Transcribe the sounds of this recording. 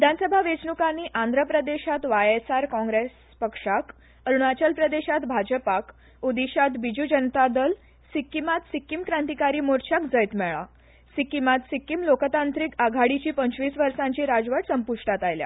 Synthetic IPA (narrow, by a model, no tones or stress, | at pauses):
ʋid̪ʱansəbʱaʋet͡snukãniːʔãnd̪ʱɾəpɾəd̪eɕat̪ʋajesaɾkɔ̃ŋɡɾes | pəkʂak | əɾuɳat͡ɕəlpɾəd̪eɕat̪bʱad͡ʑəpak | ud̪iɕat̪bid͡ʑud͡ʑənt̪ad̪əl | sikːimat̪sikːimkɾãnt̪ikaɾiːmoɾt͡ɕʰakd͡zəjt̪mɛɭa̰ | sikimat̪sikːimlokt̪ãnt̪ɾikaɡʱaɽit͡ɕiːpəɲt͡ɕʋiːsʋəɾʂãɲt͡ɕiːɾad͡zʋəʈsəmpuʂʈat̪ajlja̰